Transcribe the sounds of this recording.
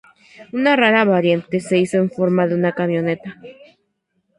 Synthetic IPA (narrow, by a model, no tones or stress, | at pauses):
unaraɾaβaɾjent̪e̞se̞isoe̞ɱfo̞ɾmaðeunakamjo̞ne̞t̪a